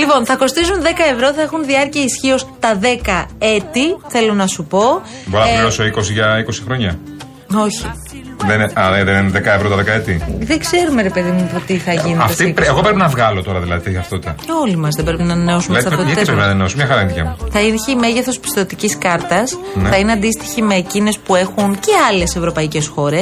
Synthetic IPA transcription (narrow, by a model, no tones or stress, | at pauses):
lipo̞nθɐko̞st̪isunðe̞kɐevɾo̞θɐexunðiɐɾciɐisçio̞st̪ɐðe̞kɐet̪iθe̞lo̞nɐsupo̞ | boɾonɾoso̞iko̞siʝɐiko̞si̥xɾo̞ɲɐ | o̞çi | ðenɐlðenineðekɐevɾo̞t̪ɐðekɐet̪iðeɡze̞ɾume̞ɾe̞pe̞ðimupot̪iθɐʝineɐffst̪ieɣopɾepinɐvɣɐlot̪o̞ɾɐðilɐðit̪eçɐft̪ot̪eo̞limɐzðebɾepinɐnɐneosumelɐðit̪ɐt̪eippɾepinɐnɐneosomɲɐxɐɾɐinðicɐ̰muθɐinçeime̞ʝeθo̞spi̥st̪o̞t̪iciskɐɾt̪ɐsnθɐineɐnd̪ist̪i̥çime̞ːcine̞spue̞xunce̞ɐle̞se̞vɾo̞pɐice̞sxo̞ɾe̞s